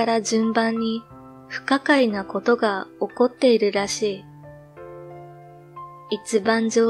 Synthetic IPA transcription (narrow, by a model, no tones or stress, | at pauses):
aɾad͡ʑɨ̃mbãɲ̟ːi | ɸɯ̟̥kakainako̞t̪o̞ɡao̞ko̞t̪ːe̞iɾɯ̟ɾaɕiː | it͡ɕibãɲ̟d͡ʑo̞ː